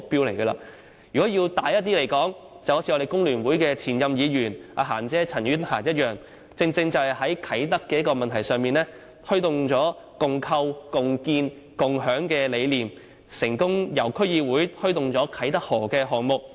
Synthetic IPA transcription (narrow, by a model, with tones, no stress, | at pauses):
k̚piː˧wle˨˩jɡɐ˧la̰ː˧ | jyː˨˩kɔː˨˥jiː˧wt̪aː˨˧˥jɐ˥t̚t̪iː˥le˨˩jkɔː˨˥ŋ | t͡sɐ˨who˨˥t͡sʰi˧ɔ˧e˨jkʊ˥ŋlyː˨˩nwuː˨˥jkɛː˧t͡sʰiː˨˩njɐ˧mjiː˨˧jyː˨˩nʔa̰ː˨˧ɦa̰ː˨˩nt͡sɛː˥t͡sʰɐ˨˩nɥyː˥nhaː˨˩njɐ˥t̚jœː˨ŋ | t͡sɪ˧ŋt͡sɪ˧ŋt͡sɐ˨whɐ˨jɦɐ˨˥jkʰɐ˨˥jt̪ɐ˥kːɛː˧jɐ˥kːɔː˧mɐ˨nt̪ʰɐ˨˩jsœː˨ŋmiː˨nɛː˥ | t̪ʰt̪ʊ˨˧ŋt͡ʃɔː˨˥ | kʊ˨ŋkʰɐ˧wkʊ˨ŋkiː˧n | kʊ˨ŋɦœː˨˥ŋkɛː˧le˨˧jliː˨m | sɪ˨˩ŋkʊ˥ŋjɐ˨˩wkʰɵ˥ɥjiː˧wuː˨˥jt̪ʰɵ˥ɥt̪ʊ˨ŋt͡sɔː˨˥kʰɐ˨˥jt̪ɐ˥k̚hɔː˨˩kɛː˧ɦɔː˨ŋmʊ˨k̚